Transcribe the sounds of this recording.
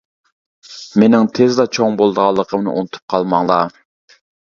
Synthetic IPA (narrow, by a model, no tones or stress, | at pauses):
menɪŋt̪ʰezd̪ɑt͡ʃʰoŋbolˠd̪əʁɑlˠːəqʰəmnɨ̰ʔṵnɨt̪ʰu̥p̚qʰɑlˠmɑŋlˠɑ